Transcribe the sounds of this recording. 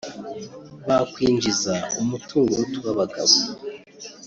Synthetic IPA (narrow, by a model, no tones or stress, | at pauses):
βakwiːɲd͡ʒizaumutʰuːŋɡoutuwaβaɡa̰βo